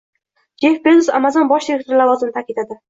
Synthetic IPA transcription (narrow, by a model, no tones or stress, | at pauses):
d͡ʒefped̪usamazɒnbɒʃd̪iɾek̚t̪oɾlavɒzɪnɪt̪ʰakʲɪt̪ad̪ɪ